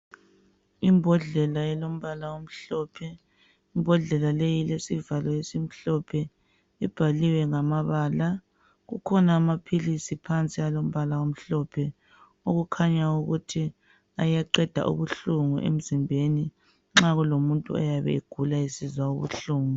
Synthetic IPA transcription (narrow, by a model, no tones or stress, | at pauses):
imbʱɔɮɛlaɛlom̩βalawom̩ɬɔːpʰɛ | imbʱɔɮɛlalejilesivalɔjesim̩ɬɔpʰɛ | ib̥ʱaliwɛŋamaβaːla | ɣṵkʰɔnaːmapʰilisipʰant͡sʼialom̩βalaom̩ɬɔpʰɛ | oɣukʰaɲauɣutʰi | ajaǀɛd̥ʱa̰ʔṵβuɬuŋuʔḛm̩zimbʱeni | ŋ͡ǁaɣulomuntʼṵɔ̰jaβɛ̰iɡ̥ʱulaisizwauβṵɬuːŋu